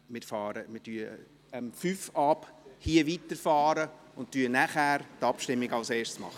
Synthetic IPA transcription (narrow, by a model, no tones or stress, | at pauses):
mɪɾfɑːɾəmɪtyə | mfyːfɑphiəviːtəɾfɑːɾə | ʊnttyənæχæːɾtɑpʃtɪmːɪɡɑlseːʃtsmɑ̰χə